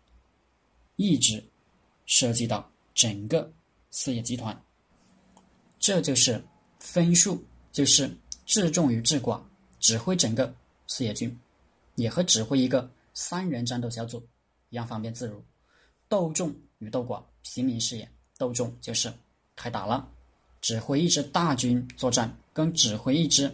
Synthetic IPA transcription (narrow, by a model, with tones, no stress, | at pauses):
i˥˩ʈ͡ʂɻ̩˧˥ | ʂɤ˥˧t͡ɕi˥˧t̪ɑ˥˩ʊ | ʈ͡ʂə˨˩ŋɡə˧ | sɹ̩˥˧jɛ˥˩t͡ɕi˧˥t̪ʰwa˧˥n | ʈ͡ʂɤ˥˧t͡ɕjo˥˧ʊʂɻ̩˥˩ | fə˥nʂu˥˩ | t͡ɕjo˥˧ʊʂɻ̩˥˩˧ʈ͡ʂɻ̩˥˧ʈ͡ʂʊ˥˩ŋy˨˩ʈ͡ʂɻ̩˥˩kwa̰˨˩˦ | ʈ͡ʂɻ̩˨˩xwe˥ɪʈ͡ʂə˨˩ŋɡə˦ | sɹ̩˥˧jɛ˥˩t͡ɕy˥n | jɛ˨˩xɤ˧˥ʈ͡ʂɻ̩˨˩xwe˥ɪi˧˥ɡə˧ | sa˥nɻə˧˥nʈ͡ʂa˥˧nt̪o˥˩ʊɕjɑ˧˥ʊt͡su˨˩˦ | i˧˥jɑ˥˧˩ŋfɑ˥ŋpjɛ˥˧nt͡sɹ̩˥˩ɻu˧˥ | t̪o˥˧ʊʈ͡ʂʊ˥˩ŋ | y˨˩t̪o˥˩ʊkwa̰˨˩˦ | ɕi˧˥ŋmi˧˥nʂɻ̩˥˧jɛ˥˩ | t̪o˥˧ʊʈ͡ʂʊ˥˧ŋt͡ɕjo˥˧ʊʂɻ̩˥˩ | kʰa˥ɪt̪a̰˨˩lə˦ | ʈ͡ʂɻ̩˨˩xwe˥ɪi˥˩ʈ͡ʂɻ̩˧˥t̪a˥˩t͡ɕy˥nt͡swɔ˥˧ʈ͡ʂa˥˩nkɤ˥ŋʈ͡ʂɻ̩˨˩xwe˥ɪi˥˩ʈ͡ʂɻ̩˧˥